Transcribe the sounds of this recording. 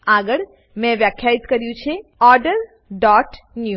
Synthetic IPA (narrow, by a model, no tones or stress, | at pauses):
aɡəɭ | mɛ̃ʋjakʰjait̪kəɾjũt͡ʃʰeɔɾɖəɾ | ɖɔʈ | nju